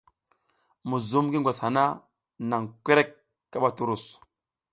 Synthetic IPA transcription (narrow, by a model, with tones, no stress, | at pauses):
mu˨zu˦mɡi˦ŋ˨ɡʷa˨sha˨na˦ | na˨ŋkʷe˦ɾe˦kː | a˦ɓa˦tu˦ɾu˦˨s